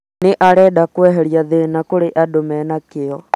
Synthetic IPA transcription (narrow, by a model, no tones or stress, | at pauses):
neʔaɾɛɗakwɛɦɛɾjaðenakoɾeʔadomɛnakɪɔ